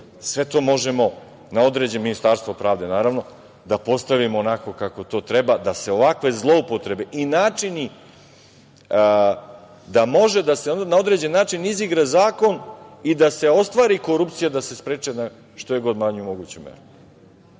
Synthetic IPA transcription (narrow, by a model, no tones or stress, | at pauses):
sʋe̞t̪o̞ːmo̞ʒe̞mo̞ | nao̞d̪ɾe̞d͡ʑeminist̪aɾst̪ʋopɾaːʋd̪e̞naːɾaʋno̞ | d̪apo̞st̪aʋimoːnako̞kako̞t̪o̞ːt̪ɾebad̪ase̞o̞ʋakʋe̞zlˠo̞upot̪ɾe̞be̞ʔinaːt͡ʂini | d̪amo̞ʒe̞d̪asenao̞d̪ɾe̞d͡ʑe̞nːaːt͡ʂiniziɡɾazaːko̞nid̪ase̞o̞st̪ʋaːɾiko̞ɾupt̪sijad̪ase̞spɾeːt͡ʂena | ʃt̪o̞jeɡo̞d̪maɲuumo̞ɡuːt͡ɕemḛɾu